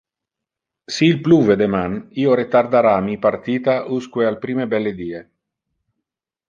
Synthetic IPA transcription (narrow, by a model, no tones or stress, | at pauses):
siːlpluved̪emanioɾet̪ard̪aɾamipart̪iːt̪aʔuskwealpɾiːmebɛlːed̪iːe